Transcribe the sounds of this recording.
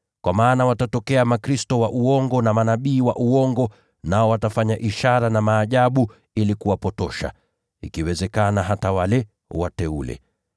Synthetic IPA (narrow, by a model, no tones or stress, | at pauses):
kwʔamaːnawatatɔkɛamakɾistɔwaʔuɔŋɡɔnamanaɓiːwa̰ʔuɔŋɡɔ | naɔwatafaɲaʔiʃaɾanamaːʄaɓu | ilikuwapɔtɔʃa̰ | ikiwɛzɛkanaɦatawalɛ | watɛṵlɛ̰